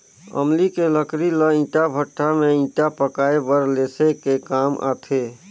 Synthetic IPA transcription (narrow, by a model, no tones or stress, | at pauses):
ə̰mlikeləkɾiləĩːʈabʱəʈʰːamẽĩːʈapəkaːebəɾleːsekekaːmʔa̰ːt̪ʰe